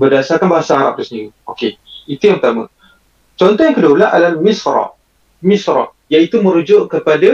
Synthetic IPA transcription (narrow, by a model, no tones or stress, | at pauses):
bərdasarkanbaɦasaaɾap̚dəsəniiokeit̪ujaŋpət̪amã̰ | t͡ʃɔnt̪ɔjãŋkədualaɦʔalalmisɾɑ̰ | misɾɔ̰ | jait̪uməɾud͡ʒʊʔkəpada